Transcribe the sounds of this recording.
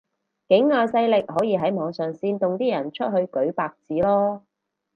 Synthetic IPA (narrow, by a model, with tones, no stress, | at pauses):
kɪ˨˥ŋːaː˧sɐ˧jlɪ˨k̚ɦɔː˨˥jiː˧ɦɐ˨˥jmɔː˨˧˥ŋsœː˨˩ŋsiː˧nt̪ʊ˨ŋt̪iː˥jɐ˨˩nt͡ʃʰɵ˥t̚hɵ˧ɥkɵ˨˥ɥpaː˧k̚t͡siː˨˥lɔː˥